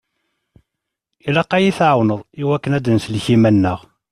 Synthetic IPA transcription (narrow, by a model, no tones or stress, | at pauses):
ilæqæjiθʕawnəðˤiwækːənæd̪ənslçimænːəʁ